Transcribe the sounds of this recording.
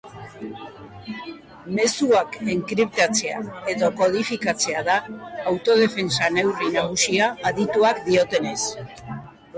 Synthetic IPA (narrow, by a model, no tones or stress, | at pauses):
me̞suakeŋkɾipt̪at͡se̞a̰e̞ðo̞ko̞ð̞ifikat͡se̞aðaːwt̪o̞ð̞e̞fe̞nsane̞wrinaɣusiaːðit̪uakd̪io̞t̪e̞ne̞s